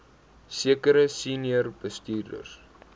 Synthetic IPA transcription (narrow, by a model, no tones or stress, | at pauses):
siəkəɾəsiniərb̥əstyːrdə̰rs